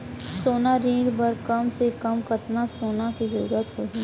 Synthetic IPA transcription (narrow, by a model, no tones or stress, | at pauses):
soːnaɾiːɽbɐɾkɐmsekɐmkɐt̪nasoːnakizɐɾṵːɾət̪ɦoɦiː